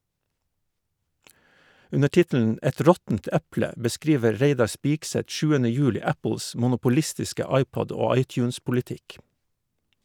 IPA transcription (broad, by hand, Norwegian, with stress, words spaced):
ˈʉnə ˈʈɪtl̩n̩ ˈɛt ˈɾɔtn̩t ˈæplə bəˈskɾiːʋə ˈɾeɪdɑɾ ˈspiːkˌsɛt ˈʃʉːənə ˈjʉːlɪ ˈæpl̩s mʊnʊpʊˈlɪstɪskə ˈɑɪˌpɔd ˈoː ˈɑɪˌtjʉːnspʊlɪˌtɪk